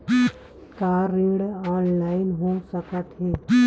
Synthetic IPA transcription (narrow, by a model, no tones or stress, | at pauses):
kaːɾːɪ̃ɽaːnlaːɪnɦosəkət̪ɦɛː